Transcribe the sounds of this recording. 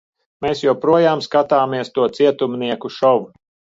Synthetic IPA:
meːsjɔwpɾuɔjaːmskat̪aːmiɛst̪uɔt̪siɛt̪umniɛkuʃɔʋu

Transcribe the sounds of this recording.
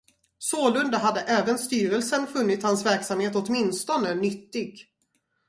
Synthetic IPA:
soːlɵnd̪aɦad̪ːəʔɛːvənst̪yːɾəlsənfɵnːɪt̪hansvæɾksamheːt̪ɔt̪mɪnst̪ɔnənʏt̪ːɪɡ

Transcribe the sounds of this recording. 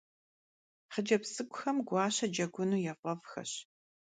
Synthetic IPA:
χəd͡ʒɐpsɨɡʷʊxɐmɡʷɑːɕɐd͡ʒɐɡʷʊnuːjɛfʷʼɐvxɐ̰ɕ

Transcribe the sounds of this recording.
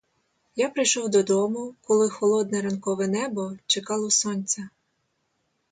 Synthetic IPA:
japɾɪjʃɔwd̪ɔd̪ɔmʊkɔlˠɪxɔlˠɔd̪nɛɾɐnkɔʋɛnɛbɔt͡ʃekɑlˠɔsɔnʲt͡sʲɐ

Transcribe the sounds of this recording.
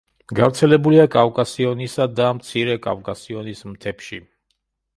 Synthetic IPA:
ɡavɾt̪sʰɛlɛbuliakʼavkʼasiɔnisad̪amt̪sʰiɾɛkʼa̰vkʼasiɔnismt̪ʰɛpʃi

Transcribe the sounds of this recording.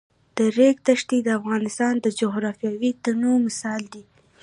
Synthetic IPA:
d̪̥əɾek̚t̪aʃt̪id̪əafɣɑnɪst̪ɑnd̪əd͡ʒʊɣɾɑfjɑwit̪anomɪsɑld̪i

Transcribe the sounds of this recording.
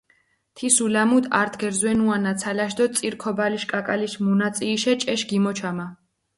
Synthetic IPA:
t̪ʰisulamud̪ʰa̰ɾt̪ʰɡɛɾzwɛnuanat̪sʰalaʃ̬d̪ɔsʼiɾkʰɔbaliʃkʼakʼaliʃmunat̪sʼiːʃɛt͡ʃʼɛʃɡimɔt͡ʃʰama

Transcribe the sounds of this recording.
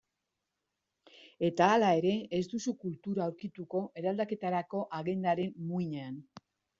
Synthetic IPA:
e̞t̪aːlae̞ɾe̞ezd̪usukult̪uɾaːwɾkit̪uko̞ʔe̞ɾald̪ake̞t̪aɾako̞ʔaɣe̞nd̪aɾe̞nmuiɲean

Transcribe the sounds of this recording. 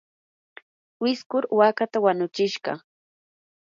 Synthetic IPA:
wɪskʊɾwakat̪awanʊt͡ʃɪʃɢɑ̰

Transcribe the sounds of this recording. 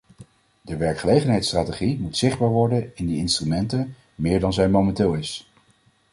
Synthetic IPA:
dəʋɛɹkχəlejχənɦɛjtstraːteχimutsɪχd̚baːɹʋɔɹdənɪndiɪnstrymɛntən | mɪːɹdɑnzɛjmomɛntɪːlˠɪs

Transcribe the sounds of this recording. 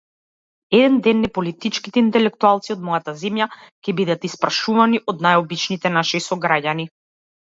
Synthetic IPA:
ɛd̪ɛnd̪ɛnːɛpɔlit̪it͡ʃkit̪ɛint̪ɛlɛkt̪ualˠt̪siɔd̪mɔjat̪azɛmjacɛbid̪at̪ispɾaʃuvaniʔɔd̪najɔbit͡ʃnit̪ɛnaʃisɔɡɾaɟani

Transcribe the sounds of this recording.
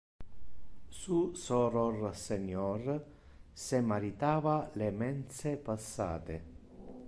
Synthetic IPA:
susɔrɔrseɲːɔr | semaɾit̪aːvalemɛnt̪sepasːa̰ːt̪e

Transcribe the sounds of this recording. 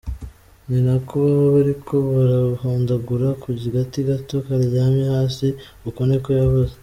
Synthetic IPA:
ɲinakʰuβaβoβaɾikʰo̞βaɾahoːndaɡuɾakuɟiɡatiɡato̞kaɾiɟaːmjehaːsi | ukonekojaβoze

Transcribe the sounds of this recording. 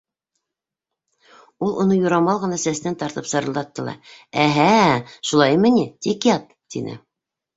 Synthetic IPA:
ulˠŭnɤjuɾɑmɑlˠʁɤ̆nɑsæsnænt̪ɑɾt̪ɤpsɤ̆ɾɤ̆lˠd̪ɑt̪ːɤ̆lˠɑ̰æɦæʃulˠɑjmɘ̆nit̪ikjɑt̪ | t̪ḭnɘ̰

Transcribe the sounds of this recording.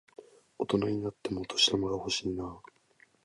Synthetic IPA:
o̞t̪o̞naɲ̟inat̪ːe̞mo̞t̪ʰo̞ɕi̥ɾamaɡaho̞ɕiːnaː

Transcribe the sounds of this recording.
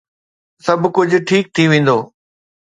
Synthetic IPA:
sɐbʱkʊd͡ʑʱʊ̆ʈʰiːk̚t̪ʰiʋẽːn̆d̪oː

